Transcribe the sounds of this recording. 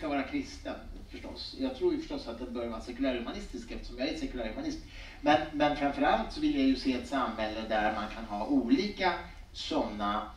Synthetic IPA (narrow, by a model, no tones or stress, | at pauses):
kavɑːɾakʰɾɪst̪ənfœʂʈɔ̰sjɑːɡ̚t̪ʰɾuːɾjfœ̥ʂʈɔsːat̪̚d̪ɛnbœɾjavɑːɾasɛkɵlæːɾhɵmanɪst̪ɪskɛft̪ə̥ʂɔmjaæɾɛt̪sɛkɵlæːɾhɵmanɪsm | mɛnmɛnfɾamfœɾalt̪sɔvɪljajɵseːɛt̪samhɛlːəd̪æɾmankʰanɦɑːʔuːliːka | sɔnːa